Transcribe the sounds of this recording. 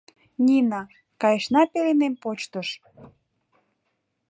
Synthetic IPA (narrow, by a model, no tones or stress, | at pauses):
nʲinɑ | kɑjəʃnɑpelenempot͡ɕt̪əʃ